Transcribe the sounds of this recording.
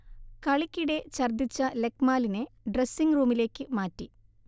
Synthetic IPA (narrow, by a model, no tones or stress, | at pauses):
kɐɭikʲːiɽe̞t͡ɕɐrd̪it͡ɕːɐlekmaːlineɖresːiŋɡruːmile̞ːkːɨmaːtːi